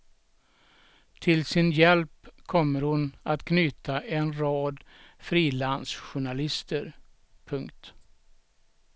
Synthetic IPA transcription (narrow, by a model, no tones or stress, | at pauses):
t̪ʰɪlsɪnjɛlpkʰɔmːəɾhʊnat̪kʰnyːt̪aʔɛnɾɑːd̪fɾiːland̪sɧʊɳalɪst̪əɾ | pʰɵŋkt̪